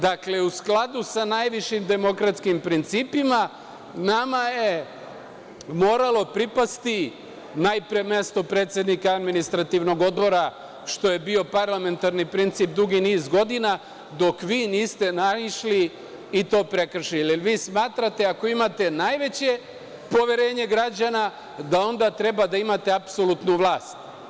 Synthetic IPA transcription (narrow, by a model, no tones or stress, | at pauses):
d̪akle̞usklˠad̪usanajʋiʃimd̪e̞mo̞kɾat̪skimpɾint̪siːpima | namaje̞ | mo̞ːɾalˠo̞pɾipast̪i | najpɾeme̞st̪o̞pɾe̞ːt̪sʲje̞d̪nikaad̪minist̪ɾat̪iʋno̞ɡo̞d̪bo̞ɾa | ʃt̪o̞je̞bio̞paɾlˠame̞nt̪aɾnipɾint̪sip̚d̪uɡiniːzɡo̞d̪ina | d̪o̞kʋiːniːst̪e̞naʃliː | t̪o̞ːpɾe̞kr̩ʃillʋiːsmaːt̪ɾat̪e̞ako̞imat̪e̞najʋe̞t͡ɕe̞ | po̞ʋjeɾe̞ːɲe̞ɡɾad͡ʑana | d̪ao̞nd̪at̪ɾe̞bad̪aimat̪e̞apsolut̪nuʋlˠaːst̪